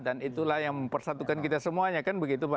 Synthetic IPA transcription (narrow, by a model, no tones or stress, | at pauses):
danit̪ulahjaŋməmpərsat̪ukankit̪asəmuaɲakanbəɡit̪upa